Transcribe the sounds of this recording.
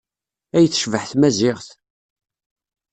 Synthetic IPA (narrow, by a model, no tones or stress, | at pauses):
æjθːə̥ʃvəħθmæzɪʁθ